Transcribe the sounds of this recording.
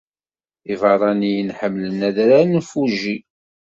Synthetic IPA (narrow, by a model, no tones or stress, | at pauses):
ivəɾˤɑnijinħəmːlənæðɾanfuʒi